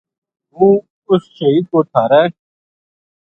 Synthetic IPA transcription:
ɦũː | ʊsʃəɦiːd̪̚koːt̪ʰaːɾɛː

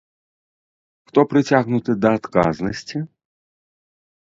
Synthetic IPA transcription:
xt̪ɔpɾɨt͡sʲaɣnut̪ɨd̪ɐːt̪ka̰znɐsʲt͡sʲi

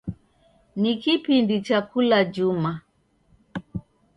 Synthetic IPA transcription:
nikipindit͡ʃakulad͡ʒuma

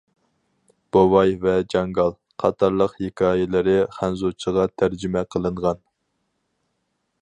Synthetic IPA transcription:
b̥owɑjvɛd͡ʒɑŋɡɑlˠ | qʰɑt̪ʰɑɾlˠəqhekʲʰɑːjɪlɪɾɪχænzut͡ʃʰəʁɑt̪ʰæɾd͡ʒɪmɛqʰəlˠɨɴʁɑn

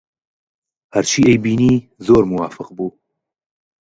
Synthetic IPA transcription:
hæɾt͡ʃʰiːejbiːniːzoːɾmʊwaːfɨqbuː

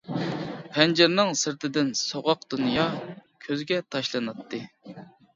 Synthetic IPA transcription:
pʰɛnd͡ʒɪɾnɨŋsɨɾt̪ʰɪd̪ɪnsoʁɑqd̪unjɑkʲʰøzɡʲɛt̪ʰɑʃlˠɑnɨt̪ʰːɨ

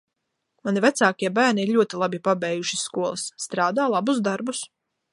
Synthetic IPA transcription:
manivæt̪saːkʲiɛbæːɾniiɾʎʲuɔt̪ilˠabipabɛːjuʃi̥skuɔlˠɨsːt̪ɾaːd̪aːlˠabusd̪aɾbus

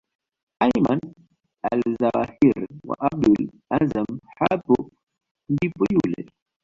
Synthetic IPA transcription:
ajman | alzawahiɾwa̰ʔab̚dul | azamhapɔ | ndipɔjulɛ̰

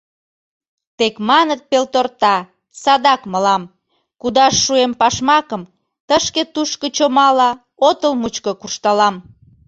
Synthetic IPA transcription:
t̪ekmɑnət̪̚pelt̪ort̪ɑ | sɑd̪ɑkməlɑm | kud̪ɑʃːuempɑʃmɑkəm | t̪əʃket̪uʃkot͡ɕomɑlɑ | ot̪əlmut͡ɕkokuʃt̪ɑlɑm

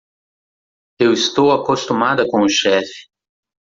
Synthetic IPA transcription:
ewɪst̪owakost̪umad̪ɐkõʊʃɛfɪ̥

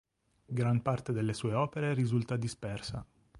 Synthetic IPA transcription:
ɡɾampart̪ed̪elːesuːeɔːpeɾeɾizult̪ad̪ispɛrsa̰

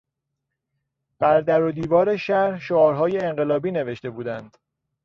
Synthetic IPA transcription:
b̥æɾd̪æɾod̪iːvɒːɾeʃæɾhʃoɒːɾɦɒːjeːɴɢe̞lɒːbiːne̞ve̞ʃt̪e̞buːd̪ænd̪̥

